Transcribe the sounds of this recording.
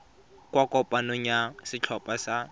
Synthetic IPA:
kwakɔpʼanʊɲasɪt͡ɬʰɔpʼasa

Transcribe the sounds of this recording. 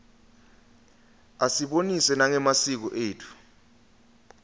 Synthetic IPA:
asiɓonisɛnaŋɛmasik̬ɔʔeːtʰu̥

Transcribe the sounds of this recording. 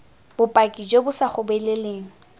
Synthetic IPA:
b̥ʊpʼakʼid͡ʒobʊsaχʊbɛleleːŋ̩

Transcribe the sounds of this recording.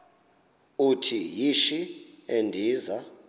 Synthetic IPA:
utʰijiʃi | endʱiːza

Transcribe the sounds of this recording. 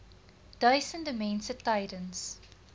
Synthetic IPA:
d̥aɪsə̃ndəmɛ̃nsətːaɪɾə̃ns

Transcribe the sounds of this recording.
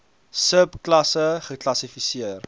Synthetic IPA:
səpklɐsəχəklɐsifisiər

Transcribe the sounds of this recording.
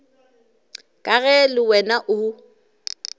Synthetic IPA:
kʼaɣɛlɪwɛnaʔʊ

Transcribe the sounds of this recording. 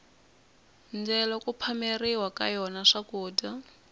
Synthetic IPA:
nd͡zɛlɔkupʰameriwaka̰jɔnaʂakuːda

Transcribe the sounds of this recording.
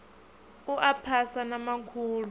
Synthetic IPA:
uʔapʰasanamakʰuːlu

